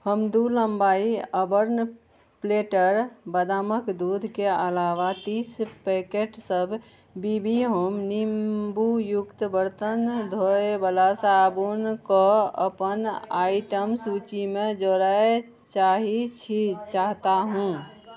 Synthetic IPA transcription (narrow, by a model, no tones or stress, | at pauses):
həmd̪uləmbaiəbəɾn | pleʈəɾbəd̪aməkd̪ud̪ʱkeəlaʋat̪ispekeʈsəbʱ | bibiɦomnimbujukt̪əbəɾt̪ənd̪ʱoebəlasabunkɔə̰pənaiʈəmsut͡ʃimed͡ʒoɾae | t͡ʃaɦit͡ʃʰit͡ʃaɦt̪aɦũ